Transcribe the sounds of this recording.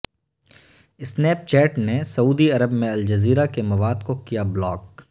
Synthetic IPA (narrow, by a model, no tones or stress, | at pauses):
ɪsnɛːp̚t͡ʃɛːʈnesɐuːd̪iɐɾəbmẽɐld͡ʒɐziːɾakemɐʋaːd̪kokijablɔːk